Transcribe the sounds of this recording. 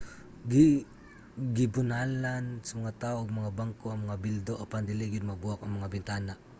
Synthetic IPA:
ɡi | ɡɪbʊnalansamɐŋat̪aoʔaɡ̚mɐŋabaŋkoɐŋmɐŋabild̪oʔapand̪ɪliɡɪd̪̚mabuakɐŋmɐŋabɪnt̪anaʔ

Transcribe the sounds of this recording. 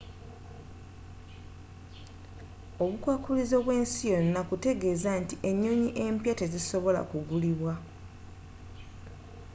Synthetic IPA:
o̞βukwaːkulizo̞βwe̞ːnsijo̞nːakute̞ɡe̞zantiʔe̞ɲːoːɲiʔe̞mpjate̞ziso̞βo̞la̰kuɡuliβwa

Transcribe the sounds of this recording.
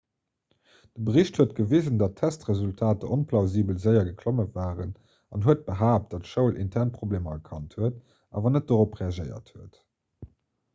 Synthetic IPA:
d̥əbəʁiɕthuətɡ̥əviːzəndɑtʰæstʁezultʰaːtəʔonpʰlɑʊziːbəlzəɪɐɡəkʰloməvaːʁən | ɑnɦuət̚b̥əɦaːp̚td̥ɑtʃəʊlʔḭntʰæʁnpχobleːmɐɐkʰɑnthuət | ʔa̰ːvɐnət̚d̥oːʁopʁeɑʒəɪɐ̰thuət

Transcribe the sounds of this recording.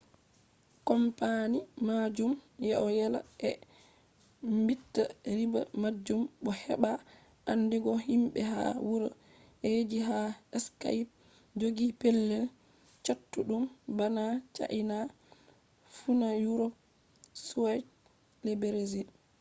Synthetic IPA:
kɔmpanimad͡ʒumjɛʔɔjɛla̰ʔɛ | mbitːaɾiba̰mad͡ʒːumɓɔhɛɓa | ʔanːdiɡɔhimɓɛɦa̰wuɾ | ʔed͡ʒiɦaɛska̰p̚ | d͡ʒoɡipɛlːɛl | t͡ʃatːuɗumbanat͡ʃa̰ʔina | funajuɾɔp̚ | swɛt | lebeɾezi

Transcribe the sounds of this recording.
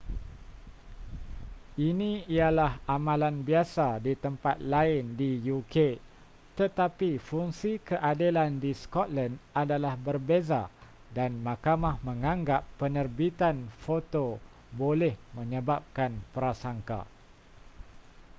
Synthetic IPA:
inĩijalahamãlanbiasadit̪əmpat̪̚laɪndijukʰe | t̪ət̪apifuŋsikəʔadilandiskɔt̪̚landadalahbərbeza̰ | danmãkamahmə̃ŋãŋɡapːənərbit̪anfot̪o | bolɛhmə̃ɲəbap̚kanpəɾasaŋka̰

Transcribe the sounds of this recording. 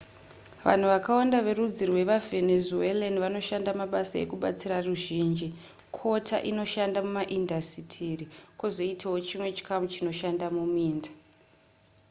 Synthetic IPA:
ʋa̰n̤uʋakawandaʋe̞rud͡zirwe̞ʋave̞nezuelaniʋano̞ʃandamaɓasaḛkuɓa̰t͡siraruʒiːnd͡ʒi | kʰo̞tʰa̰ʔino̞ʃandamumaʔindʱasitʰirikozo̞itʰawo̞t͡ʃimwe̞t͡ʃi̥kamut͡ʃino̞ʃandamumiːndḁ

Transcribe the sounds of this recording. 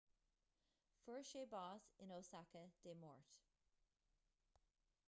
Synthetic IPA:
fɜɹʃeːbɑːsɪnoːsakəd̥eːmɔ̰ɹt

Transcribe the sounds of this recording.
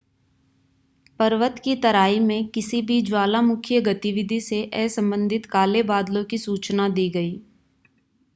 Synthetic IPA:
pɐɾʋət̪kit̪ɐɾaːimẽkɪsibʱid͡ʒwaːlamʊkʰjəɡɐt̪ɪʋɪd̪ʱiseʔɛːsɐ̃mbə̃nd̪ʱɪt̪kaːlebaːd̪lõkisuːt͡ʃnad̪iːɡɐiː

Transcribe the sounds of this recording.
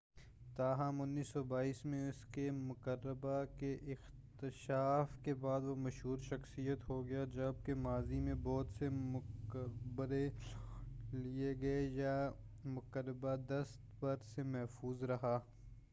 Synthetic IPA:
t̪aːɦəmʊnːiːsːɔbaːiːsmẽʊskemʊkəɾːəbakeʔɪx | t̪ɪʃaːfkebaːd̪ʋomɐʃɦuːɾʃɐxsijət̪ɦoɡɐjad͡ʒɐb̚kemaːzimẽbɔːt̪semʊkəbəɾe | lieɡɐeja | mʊkəɾəbad̪ɐst̪pɐɾsemɛɦfuːzɾɐɦaː

